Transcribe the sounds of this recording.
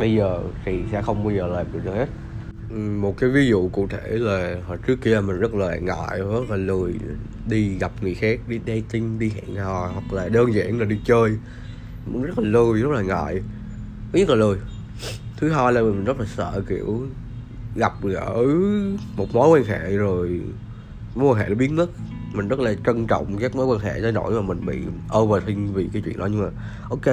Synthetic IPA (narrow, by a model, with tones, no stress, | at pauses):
ɓə˧jzəː˨˩t̪ʰi˨˩sɛ̰˧˥xə˧wŋ͡mɓaː˧wjzəː˨˩laː˨˩kḭ˨t̪ʰə˨˩he˦˥t̚ | ʔmo˨˩t̚kaː˨˦jvi˨˦zṵ˧˨kṵ˧˨t̪ʰe˧˩laː˨˩ht͡ɕɨ˦˥əkːi˧əlaː˨˩mï̟˨˩zə˦˥t̚laː˨˩ŋa̰ː˧˨jzə˦˥t̚laː˨˩lɨ˨˩əj | ɗi˧ɣa˨˩p̚ŋɨ˨˩əjxaː˦˥k̚ɗi˧ɗɛ˧t͡ɕ̪ï˧ŋ̟ɗi˧ha̰ː˧˨nɔ˨˩hwa˨˩k̚laː˨˩ɗəː˧nza̰ː˧˩nlaː˨˩ɗi˧t͡ɕəː˧j | nzə˦˥t̚laː˨˩lɨ˨˩əjzə˦˥t̚laː˨˩ŋa̰ː˧˨j | o˨˦ɲə˦˥t̚laː˨˩lu˧˩j | t̪ʰɨ˨˦ɦaː˧jlaː˨˩mi˨˩mi˨˩ŋ̟zə˦˥t̚laː˨˩sə̰ː˧˨kḭ˧˩˨əw | ɣa˨˩p̚ːʔəː˧˩mo˨˩t̚mo˨˦jkwaː˧nha̰˧˨zo˨˩j | mm˨˦jwaː˧˩ɦhɛ̰˧˨lɓi˦˥əɲə˦˥t̚ | mï˨˩ŋ̟zə˦˥t̚laː˨˩t͡ɕə˧nt͡ɕɔ̰˧˨wŋ͡mkaː˦˥k̚mo˨˦jkwaː˧nhɛ̰ː˧˩˨za˧jɗo̰˧˩jmaː˨˩mï˨˩ŋ̟ɓḭ˧˨ʔəː˧vəː˨˩t̪ʰï˧ŋ̟vḭ˨˩kaː˨˦jt͡ɕwḭ˧˨ənɗɔ˨˦ɲɨ˧ŋ͡mmaː˨˩ | ʔo˧wke˧